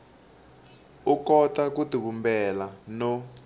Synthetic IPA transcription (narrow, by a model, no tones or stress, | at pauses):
ukɔtakutukumbɛlanɔ